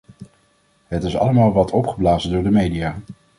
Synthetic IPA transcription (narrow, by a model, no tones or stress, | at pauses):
ɦətɪsɑ̰ləmaːlˠʋɑtʰɔpχəblaːzəndʊːɹdəmejdijaː